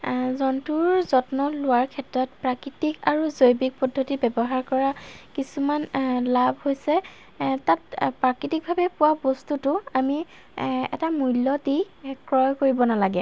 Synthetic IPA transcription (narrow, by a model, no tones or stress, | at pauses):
zɔntuɹzɔtnɔlʊwaɹkʰɛtɹɔtpɹakɹitikaɹuzojbik̚pɔdʱːotibɛbɔɦaɹkɔɹakisumanlabʱhojsɛ | tat̚pɹakɹitik̚bʱabɛpʊwabɔstutʊami | ɛ̰tamujlːɔti | kɹɔjkoɹibɔnalaɡɛ